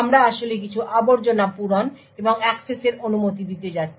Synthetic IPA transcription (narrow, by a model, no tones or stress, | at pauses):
amɾaaʃolek̬it͡ɕʰuʔaboɾd͡ʑonapuɾon | eboŋɛkseseɾʔonumot̪̬id̪it̪ed͡ʑatːʰ